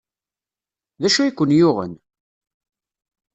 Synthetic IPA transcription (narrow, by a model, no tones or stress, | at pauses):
ðæʃuikʷːənjʊʁə̰n